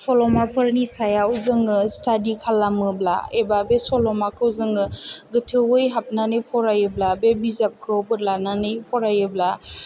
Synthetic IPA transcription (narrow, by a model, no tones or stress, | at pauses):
sɔlɔmapʰɯɾnisajauzɯŋɯstʰadikʰalːamɯbla̰ebabesɔlɔmakʰɯuzɯŋɯɡɯtʰɯwɯjɦap̚nanɯjpʰɔɾajɯblabebizap̚kʰɯbɯɾlananɯjpʰɔɾajɯbla